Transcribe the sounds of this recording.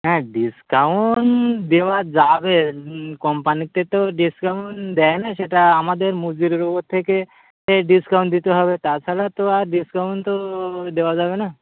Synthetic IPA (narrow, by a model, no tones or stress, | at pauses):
ɦɛ̃ɖiskawnd̪ewad͡ʒabekɔmpanik̚t̪et̪oɖiskawnd̪ɛenaʃeʈaamad̪eɾmud͡ʒiɾɾokot̪ʰːeke | eɖiskawɳʈd̪it̪eɦɔbet̪at͡ʃʰalat̪oaɾɖiskawnt̪od̪ewad͡ʒabena